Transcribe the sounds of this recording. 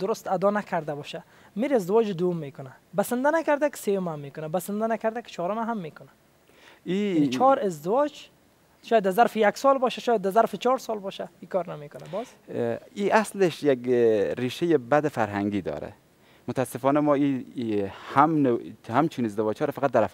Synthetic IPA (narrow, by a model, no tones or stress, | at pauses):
d̪ʊɾʊst̪ad̪ɔnakʰaɾd̪abɔʃa | meɾɪzd̪ɪvɔd͡ʒɪd̪ʊjʊmːekʊna | basɪnd̪anakaɾd̪akɪ̥sejʊmamːekʊnabasɪnd̪anakaɾd̪akɪ̥t͡ʃʰɔɾomaɦamːekʊna | it͡ʃʰɔɾɪzd̪ɪwɔd͡ʒ | ʃɔjad̪ːazaɾfɪjaksɔlbɔʃaʃɔːjad̪ːazaɾfɪt͡ʃʰɔɾsɔlbɔʃaikɔɾnamekʊnabɔz̥ | iʔasleʃjaɡɾiːʃejebad̪ɪfaɾɦaŋɡiːd̪ɔ̰ːɾæ̰ | mʊt̪asɪfɔnamɔi | hamnhamt͡ʃʰunɪzd̪ɪvɔːd͡ʒhɔːɾafaqat̪̚d̪aɾaf